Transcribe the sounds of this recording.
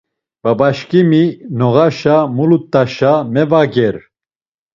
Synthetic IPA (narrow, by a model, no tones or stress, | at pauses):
b̥abaʃkʼiminɔɣaʃamulut̪ʼːaʃamɛvaɡɛɾ